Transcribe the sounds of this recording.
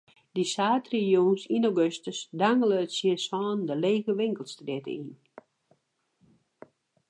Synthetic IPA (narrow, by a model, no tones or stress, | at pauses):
disaːtrijunsinowɡøstəsdaŋɡələːtsisɔːndəleːɣəʋɪŋkəlˠstdɪtə̰in